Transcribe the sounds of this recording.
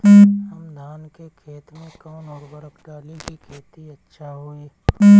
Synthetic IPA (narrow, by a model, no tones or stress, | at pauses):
ɦɐmd̪ʱaːnkekʰeːt̪mẽkɔːnɔːɾɡəɾəkʈaːlikikʰeːt̪iɐtːʃʰaɦoːeː